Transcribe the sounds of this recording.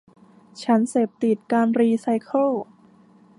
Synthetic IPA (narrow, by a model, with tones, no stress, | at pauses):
t͡ɕʰa˦˥nseː˨˩p̚t̪i˨˩t̪̚kaː˧nɾiː˧sa˧jkʰɤ˥˩l